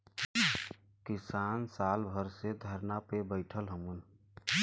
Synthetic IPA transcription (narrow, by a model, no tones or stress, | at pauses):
kisaːnsaːlbʱəɾsed̪ʱəɾnapebəɪʈʰəlɦəmun